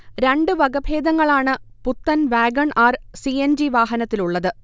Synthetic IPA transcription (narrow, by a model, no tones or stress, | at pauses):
ɾe̞ɳɖɨʋɐɡɐbʱeːd̪ɐŋːɐɭaːɳɨput̪ːɐnʋaːɡɐɳaːrsiend͡ʑiʋaːɦɐnɐt̪ːiluɭːɐðɨ